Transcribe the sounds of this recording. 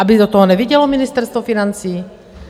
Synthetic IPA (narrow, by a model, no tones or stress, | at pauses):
ʔabid̪ot̪ɔɦɔnɛviɟɛlɔminɪst̪ɛɾst̪vɔfinant͡siː